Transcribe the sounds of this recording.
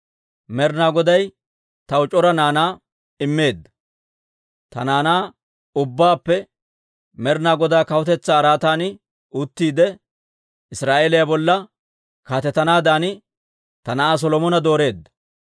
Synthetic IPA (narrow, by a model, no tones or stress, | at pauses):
mɛɾnaːɡɔd̪ɐj | t̪ɐwʊt͡ʃʼɔɾɐnaːnaː | ɪmːe̞ːd̪ːɐ̥ | t̪ɐ̰naːnaː | ʊbːaːpːɛ | mɛɾnaːɡɔd̪aːkɐwʊt̪ɛt͡sːaːɾaːt̪aːnɪ | uʊt̪ːiːd̪ɛ | ɪsɾaːʔeːlɪjabɔlːɐ | kaːt̪ɛt̪ːɐnaːd̪aːnɪ | t̪ɐnɐʔaːs̬ɔlɔmɔnɐd̪o̞ːɾe̞ːd̪ːɐ̥